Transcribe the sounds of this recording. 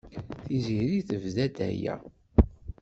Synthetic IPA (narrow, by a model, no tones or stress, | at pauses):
θiziɾiθəvðæd̪æ̰jæ̰